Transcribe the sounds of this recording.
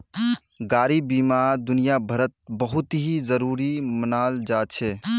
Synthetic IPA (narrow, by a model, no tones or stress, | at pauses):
ɡaːɾibiːmaːɾd̪ʊnijabʱɐɾət̪̚bɐɦʊt̪ɦizəɾuːɾimənaːld͡ʒaːt͡ʃʰeː